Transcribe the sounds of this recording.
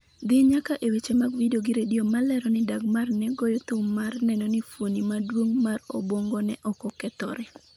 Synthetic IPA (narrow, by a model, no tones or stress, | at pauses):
d̪ɪɲakaʔewet͡ʃemaɡvidoɡɪɾediomalɛɾɔnɪdaɡmarnɛɡɔjɔt̪ʊmarnɛnɔnɪfwonimadwoŋmarɔbwɔŋɡɔnɛʔɔkɔkɛt̪ɔ̰ɾɛ